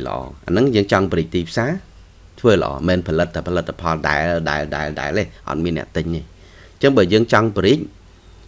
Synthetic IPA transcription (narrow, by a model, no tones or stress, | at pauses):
lə̰̆ʔɑ̰ːʔa̰nɨŋjəːŋt͡ɕɑŋpəɾiːc̚t̪iːpʰsaː | t̪ʰʋəːlə̆ʔɑ̰ːmɛːnpʰɑlɨt̪ʰːapʰɑlɨt̪ʰːapʰɑlɗaɛlɗaɛlɗaɛlɗa̰ɛleːʔɑ̰t̪̚miənːɛ̆əʔt̪ɨɲeː | ɲt͡ɕəŋɓəːjəːŋt͡ɕɑŋpɾiːəc̚